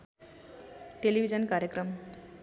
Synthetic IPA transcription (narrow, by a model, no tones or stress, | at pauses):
ʈelibʱid͡zʌnkaɾjəkrʌm